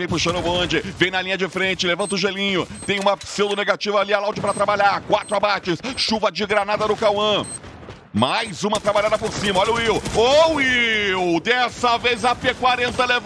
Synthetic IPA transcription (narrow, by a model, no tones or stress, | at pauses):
vẽj̃pʊʃɐ̃nʊbõd͡ʒɪvẽj̃nɐlĩɲɐd͡ʒɪfɾẽnt͡ʃɪlevɐ̃t̪ʊʒelĩɲʊt̪ẽj̃ũmɐsewd̪ʊneɡat͡ʃivɐalialawd͡ʒɪpɾɐt̪ɾabaʎaɾkwat̪ɾʊabat͡ʃɪsʃuvɐd͡ʒɪɡɾanad̪ɐnʊkawɐ̃ | majzũmɐt̪ɾabaʎad̪ɐpoɾsĩmɐɔʎʊiwoiwd̪ɛsɐvejzɐpekwaɾẽnt̪ɐlev